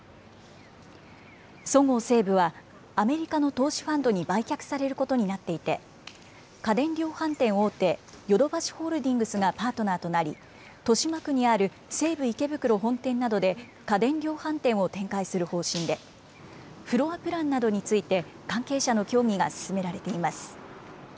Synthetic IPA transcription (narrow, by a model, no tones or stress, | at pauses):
so̞ŋo̞ːse̞ːbɯ̟βaː | me̞ɾʲikano̞t̪o̞ːɕi̥ɸãnd̪o̞ɲ̟ibaikʲakɯ̟̥saɾe̞ɾɯ̟kot̪o̞ɲ̟inat̪ːe̞it̪e̞ | kad̪ẽ̞nɾʲo̞ːhãnt̪ẽ̞ɰ̃o̞ːt̪e̞ | jo̞d̪o̞baɕi̥ho̞ːɾɯ̟d̪ʲĩŋɡɯ̟sɨɡapaːt̪o̞naːt̪o̞naɾʲḭ | t̪o̞ɕimakɯ̟ɲ̟iaɾɯ̟ | se̞ːbɯ̟ike̞bɯ̟kɯ̟ɾo̞ɦõ̞nt̪ẽ̞nːad̪o̞d̪e̞ | kad̪ẽ̞nɾʲjo̞ːhãnt̪ẽ̞ɰ̃o̞t̪ẽ̞ŋkaisɨɾɯ̟ho̞ːɕĩnd̪e̞ | ɸɯ̟ɾo̞apɯ̟ɾãnːad̪o̞ɲ̟it͡sɨit̪e̞ | kãŋke̞ːɕano̞kʲo̞ːŋʲiɡa̰sɨ̥sɨme̞ɾaɾe̞t̪e̞imasɨ̥